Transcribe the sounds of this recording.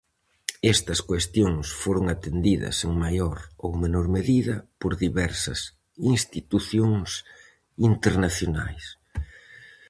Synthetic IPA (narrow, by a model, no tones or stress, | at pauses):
ɛst̪ɐskwest̪joŋsfoɾoŋat̪end̪iðɐ̰seŋmajoɾowmenoɾmeðiðɐpoɾðiβɛɾsɐ̰s | inst̪it̪uθjoŋs | int̪eɾnaθjona̰js